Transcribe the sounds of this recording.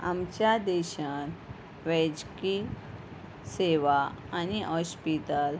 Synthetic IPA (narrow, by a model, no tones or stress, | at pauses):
amt͡ɕjad̪ɛɕan | ʋɛd͡ʑki | seʋaaniɦɔspit̪əl